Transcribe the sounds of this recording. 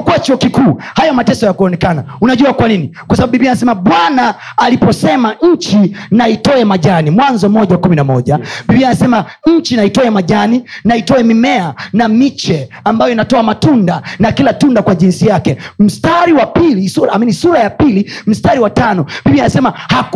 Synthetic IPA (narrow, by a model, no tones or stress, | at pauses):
kuat͡ʃuɔkikuːhajɔmatɛsɔjakuɔnɛkanaunaʄuakwaninikwasaɓaɓubiɓianas̬ɛmaɓwanaː | lipɔsɛmaɲ̩t͡ʃinaitɔɛmaʄanimwanzɔmɔʄawakuminamɔʄaɓiɓianasɛmaɲ̩t͡ʃinaitɔɛmaʄaninaitɔɛmimɛanamit͡ʃɛ | ambajɔinatɔamatundanakilatundakwaʄinsijakɛm̩staɾiwapilisuɾaminisuɾajapilim̩staɾiwatanɔɓiɓianasɛmahak